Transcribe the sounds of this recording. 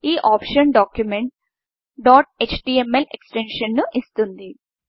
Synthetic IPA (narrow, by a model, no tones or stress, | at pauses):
iːʔaːpʂɐnɖaːkjumeɳʈ | ɖaːʈ̚et͡ʃʈiemeleksʈenʂɐnnuʔist̪und̪i